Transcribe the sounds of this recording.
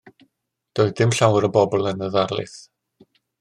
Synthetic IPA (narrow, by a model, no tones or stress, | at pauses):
d̥oːɨdɪmɬawɾəbɔbɔlˠənəðarlˠɨ̰θ